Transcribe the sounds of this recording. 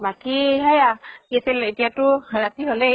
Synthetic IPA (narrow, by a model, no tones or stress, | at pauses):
bakiɦajakiasiletijatʊɹatiɦolɛ